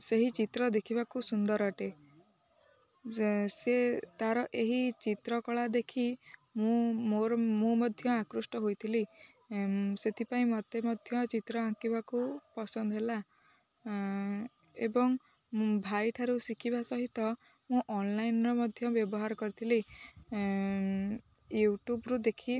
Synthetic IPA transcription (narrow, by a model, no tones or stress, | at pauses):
seɦit͡ʃit̪ɾɔd̪ekʰibakusund̪ɔɾɔʈe | set̪aɾɔʔeɦit͡ʃit̪ɾɔkɔɭad̪ekʰimũmoɾmũmɔd̪ʱjɔakɾusʈɔɦojt̪ʰili | set̪ʰipaĩmɔt̪emɔd̪ʱjɔt͡ʃit̪ɾɔãkibakupɔsɔnd̪ɔɦela | ebɔŋ | bʱajʈʰaɾusikʰibasɔɦit̪ɔ | mũʔɔnlajnɾɔmɔd̪ʱjɔbjɔbɔɦaɾɔkɔɾit̪ʰili | juʈubɾud̪ekʰi